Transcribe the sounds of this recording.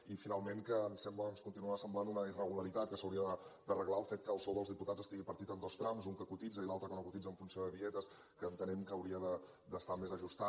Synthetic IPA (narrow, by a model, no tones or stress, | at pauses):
ifinalˠmeŋkəːnsɛmbləənskunt̪inuasəmblanunəirəɣuləɾit̪at̪̚kəsəwɾiəðəd̪ərəɣlaəlˠfet̪̚kəːlˠsoðəlzðiput̪ad͡zəst̪iɣipəɾt̪it̪ənd̪ost̪ɾamzuŋkəkut̪id͡zəilˠalˠt̪ɾəkənokut̪id͡zəɱfunsioðəβiɛt̪əs | kəːnt̪ənɛmkəːwɾiəðə | d̪əst̪amezəʒust̪a